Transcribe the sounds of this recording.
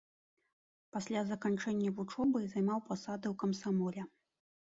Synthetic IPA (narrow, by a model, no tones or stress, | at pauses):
pasʲlʲazɐkant͡ʂɛnʲːɐvut͡ʂɔbɨzajmawpasad̪ɨwkɐmsamɔlʲɛ